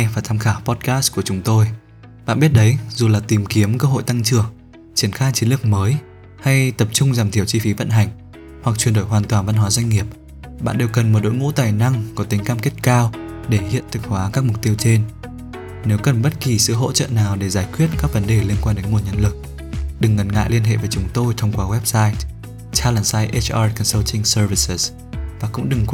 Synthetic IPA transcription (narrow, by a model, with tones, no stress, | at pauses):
vaː˨˩t̪ʰaː˧mxaː˧˩pɔ˦˥t̚kaː˦˥sku˧˩ət͡ɕʊ˨˦ŋ͡mt̪o˧j | ɓa̰ː˧˨nɓi˦˥ət̚ɗə˨˦jzu˨˩laː˨˩t̪i˨˩mki˨˦əmkəː˧ɦo̰˧˨jt̪a˧ŋt͡ɕɨ˨˩əŋ | t͡ɕi˧˩ənxaː˧jt͡ɕi˨˦nlɨ˨˩ək̚məː˨˦j | ha˧jt̪ə˨˩p̚t͡ɕʊ˧ŋ͡mzaː˨˩mt̪ʰi˧˩əwt͡ɕi˧fi˨˦və̰˧˨nɦa˨˩jŋ̟ | hwa˨˩k̚t͡ɕwi˨˩ənɗo˧˩jɦwaː˨˩nt̪waː˨˩nva˧nɦwaː˨˦zwa˧ŋ̟ŋi˨˩əp̚ | ɓa̰ː˧˨nɗe˧wkə˨˩nm˨˩t̚ɗo̰˧˥jŋṵ˧˥t̪aː˨˩jna˧ŋkɔ˨˦t̪ï˨˦ŋ̟kaː˧mke˦˥t̚kaː˧wɗe˧˩hḭ˧˨ənt̪ʰɨ˨˩ŋ̚hwaː˨˦kaː˦˥k̚mʊ˨˩k͡p̚t̪i˧əwt͡ɕe˧n | ne˨˦wkə˨˩nɓə˦˥t̚ki˨˩sɨ̰˧˨ɦo̰˧˥t͡ɕə̰ː˧˨naː˨˩wɗe˧˩zaː˧˩jkwi˦˥ət̚kaː˦˥k̚və˨˦nɗe˨˩li˧ənkwaː˧nɗe˨˦nŋu˨˩ənɲə˧nlɨ˨˩k̚ | ɗɨ˨˩ŋːə˨˦nŋa̰ː˧˨jli˧ənɦḛ˧˨veː˨˦t͡ɕʊ˨˦ŋ͡mt̪o˧jt̪ʰə˧wŋ͡mkwaː˧˦wɛ˦˥p̚saː˧j | t͡ɕaː˧laː˨˩saː˧jʔe˦˥t͡ɕʔaː˧kɔ˧˩nsə˧lt̪ʰï˧ŋsə˧vi˧˩sə˨˩s | vaː˨˩kʊ̰˧˥ŋ͡mɗɨ˨˩ŋk